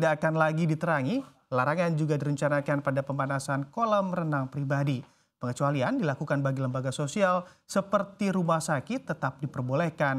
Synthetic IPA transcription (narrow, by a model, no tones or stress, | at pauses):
daːkanlaɡidit̪əɾaŋi | laɾaŋand͡ʒuɡadiɾəɲt͡ʃanakanpadapəmbanasankolɔmrənaŋpɾibadi | pəŋət͡ʃualiandilakukanbaɡiləmbaɡasosialsəpərt̪iɾumahsakɪt̪ːət̪ap̚dipərbolɛhkan